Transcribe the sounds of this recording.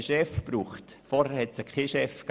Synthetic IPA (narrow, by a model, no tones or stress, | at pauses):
ʃɛfb̥ruːχtfɔɾhəhɛtsəkʰχeːʃɛfk